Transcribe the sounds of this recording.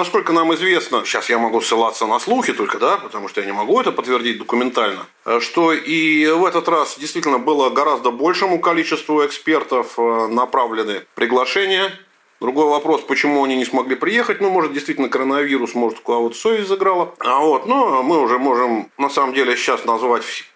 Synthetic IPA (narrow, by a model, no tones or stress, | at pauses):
nɐsko̞lʲkənamɨzvʲe̞snəɕːasjamɐɡusːɨlˠat̪sːənɐslˠuxʲɪt̪o̞lʲkəd̪apə̥t̪ɐmuʂt̪ojanʲɪmɐɡuɛt̪əpət̪ːvʲɪrdʲit̚ʲd̪əkʊmʲɪnt̪alʲnə | ʂt̪oʔivɛt̪ət̪rasdʲɪjst̪vʲitʲɪlʲnəbɨlˠəɡɐɾazd̪əbo̞lʲʂɨmʊkɐlʲit͡ɕɪst̪vʊɪkspʲe̞rt̪əfnɐpɾavlʲɪnɨəpɾʲɪɡlˠɐʂɛnʲɪjə | d̪ɾʊɡo̞jvɐpɾo̞spət͡ɕɪmuɐnʲinʲɪsmɐɡlʲipɾʲɪje̞xət̚ʲnumo̞ʐɨt̪̚dʲɪjst̪vitʲlʲnəkəɾənɐvʲiɾʊsmo̞ʐɨt̪kʊd̪avot̪sovʲɪsʲtʲzɨɡɾalˠəvo̞t̪nomɨʊʐɛmo̞ʐɨmnɐsaməmdʲelʲɪɕːasnɐzvatʲfsʲ